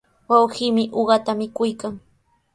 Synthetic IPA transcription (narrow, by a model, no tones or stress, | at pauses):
wawɢiːmɪʔoɢɑt̪amɪkʊjkaŋ